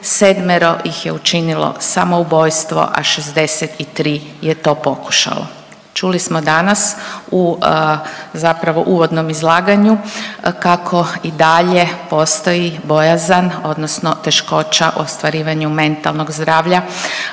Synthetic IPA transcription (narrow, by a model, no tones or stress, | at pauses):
sed̪meɾo̞jixjeut͡ʃinilo̰samo̞ubo̞jst̪ʋo̞̰ʔa̰ʃezd̪e̞set̪it̪ɾiːjet̪o̞ːpo̞ku̥ʃa̰lo̰ | t͡ʃulismod̪anasu | zapɾaʋo̞̰ʔuːʋo̞d̪nomizlˠaːɡaɲukakʰo̞id̪aʎe̞po̞st̪o̞jibo̞jazano̞d̪nosnot̪e̞ʃko̞ːt͡ɕaʔṵost̪ʋaɾiːʋaɲume̞nt̪a̰lˠnoɡzd̪ɾaːʋʎa